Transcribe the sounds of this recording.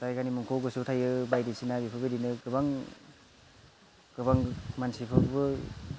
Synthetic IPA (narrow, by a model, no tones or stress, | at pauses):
tajɡanimɯŋkʰoɡɯsɯwtʰajɯbajdisinabipʰɯbɯdinɯɡɯbaŋ | ɡɯbaŋmansipʰɯkbɯ